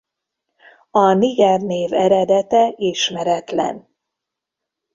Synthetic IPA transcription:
ɒniɡɛrneːvɛɾɛd̪ɛt̪ɛiʃmɛɾɛt̪lɛ̰n

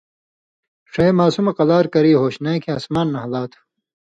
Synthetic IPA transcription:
ʂɐjmaːsumɐqɐlaːɾkɐɾiːɦoːɕnãːkʰĩaːsmaːnːɐɦɐlaːt̪ʰu̥

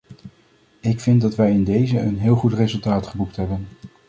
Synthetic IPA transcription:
ɪkfɪnt̚dɑtʋɛjɪndejzəənɦɪːlˠχutrezɵlˠtaːtχəbuk̚tɦɛbən

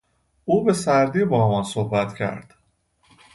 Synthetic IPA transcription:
ʔuːbe̞sæɾd̪iːbɒːmɒnsohbæt̪cʰæ̰ɾd̪̥

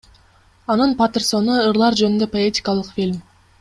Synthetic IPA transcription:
ɑnɯnpat̪ɨrso̞nuɯɾlˠɑɾd͡ʒønynd̪øpoetʲɪ̥kɑlˠɯqfʲilʲm

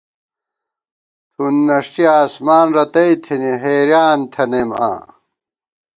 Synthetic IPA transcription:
t̪ʰunːɐʂʈiaːsmaːnɾɐt̪ɐit̪ʰiniɦeːɾjaːnt̪ʰɐnema̰ː

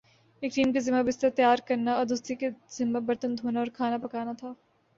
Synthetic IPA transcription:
eːkɾiːmkezɪmabɪst̪ɐt̪jaːɾkɐɾnaɔd̪ʊst̪ikez̥ɪmːabɐɾt̪ənd̪ʱoːnaɔːɾkʰaːnapɐkaːnat̪ʰaː

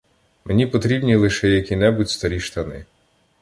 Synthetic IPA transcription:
mʔenʲipɔt̪ɾʲibnʲilˠɪʃɛjɐkʲinɛbutʲst̪ɐɾʲiʃt̪ɐnɪ̰

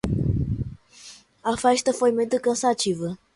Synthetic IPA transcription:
afaʃt̪əfojmet̪ɨkəsat͡ʃivə

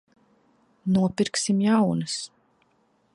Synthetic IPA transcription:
nuɔpiɾksimjawnɨs

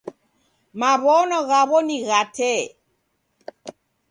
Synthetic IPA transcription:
maβɔnɔɣaβɔniɣatʰɛ

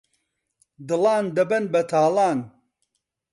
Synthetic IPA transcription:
d̪ɨlaːnd̪ɐbɐnbɐt̪ʰaːlaːn

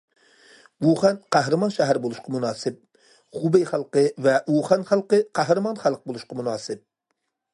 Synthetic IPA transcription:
wuχænqʰæɦɾɨmɑnʃæɦæɾbolˠuʃqɑmunɑːsɪp̚ | χubejχælˠqəvɛuχænχælˠqəqʰæɦɾɨmɑnχælˠq̚bolˠuʃqɑmunɑːsɪp̚

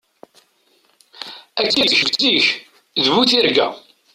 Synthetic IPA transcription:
æt͡sːiθçəvt͡sːiç | ðvuθiɾɡæ̰

